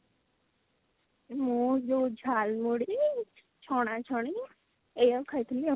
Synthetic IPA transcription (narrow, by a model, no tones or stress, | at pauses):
mũd͡ʒod͡ʒʱalmuɽi | t͡ʃʰɔɽ̃ãt͡ʃʰɔɽ̃i | ejakʰajt̪ʰəli